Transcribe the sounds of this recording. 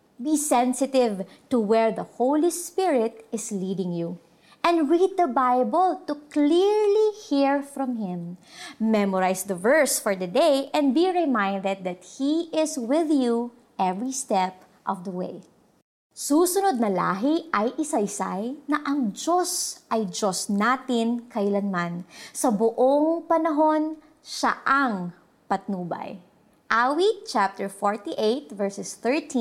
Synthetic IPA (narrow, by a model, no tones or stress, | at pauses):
bisɛ̃nsɪt̪ɪv | t̪uwɛɹd̪ɐhowlispɪɹɪt̪̚ɪslid̪ɪ̃ŋju | ʔɛ̃nɹid̪̚d̪ɐbajbɔlt̪ukliɹlihiɹfɹɔ̃mhɪ̃mː | ɛmɔɹajsd̪ɐvɛɹsfɔɹd̪ɐd̪ejʔɛ̃nd̪̚biɹɛmãj̃nd̪ɛd̪̚ðɐt̪̚hiʔɪswɪðju | ʔɛvɹist̪ɛp | ʔɔvd̪ɐwḛj | suːsʊnod̪̚nɐla̰ːɦɪʔɐjʔɪsɐjsa̰jnɐʔɐŋd͡ʒosʔɐjd͡ʒosnaːt̪ɪnkɐɪlɐnmansɐbʊʔoŋpɐnɐɦo̞n | ʃa̰ʔɐŋ | pɐt̪̚nuːbɐ̰j | ʔawit͡ʃap̚t̪ɛɹfoɹt̪iʔejt̪̚vɛɹsɛsθɛɹt̪ʰĩ